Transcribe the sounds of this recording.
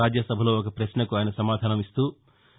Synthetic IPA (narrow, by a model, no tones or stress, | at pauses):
aːd͡ʒjɐsɐbʱɐlo̞ːɔkɐpɾɐʃnɐkuaːjnɐsɐmaːd̪ʱaːnɐmist̪uː